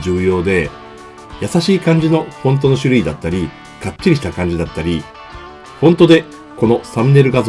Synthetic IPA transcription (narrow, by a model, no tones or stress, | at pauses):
d͡ʑɨːjo̞ːd̪e̞ | jasaɕiːkãɲ̟d͡ʑino̞hõ̞nt̪̬o̞no̞ɕɨɾɯ̟id̪at̪ːaɾʲi | kat͡ɕːiɾʲiɕi̥t̪akãɲ̟d͡ʑid̪at̪ːaɾʲi | hõ̞nt̪o̞d̪e̞ | ko̞no̞samɯne̞ɾɯ̟ɡaz